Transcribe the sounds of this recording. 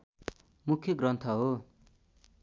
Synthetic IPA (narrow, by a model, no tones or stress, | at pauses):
mukʰːjʌɡrʌnt̪ʰʌɦo